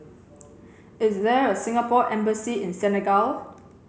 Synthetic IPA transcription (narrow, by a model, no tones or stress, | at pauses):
ɪsdɛɹəsɪ̃ŋapɔʔɛ̃mbəsiɪ̃nsɛnɛɡal